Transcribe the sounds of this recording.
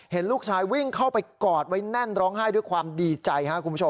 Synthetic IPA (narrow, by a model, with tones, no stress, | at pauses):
he˩˦nluː˥˩k̚t͡ɕʰaː˧jwi˥˩ŋkʰa˥˩wpa˧jkɔː˨˩t̪̚wa˦˥jnɛ˥˩nɾɔː˦˥ŋɦaː˥˩jdu˥˩jkʰwaː˧mdiː˧t͡ɕa˧jkʰa˦˥ʔkʰu˧pʰːu˥o˧